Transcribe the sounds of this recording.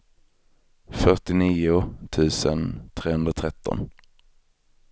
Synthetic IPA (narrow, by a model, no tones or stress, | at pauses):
fœʈɪniːʊt̪ʰʉ̟ːsənt̪ʰɾeːhɵnd̪ɾat̪ʰɾɛt̪ːɔ̰n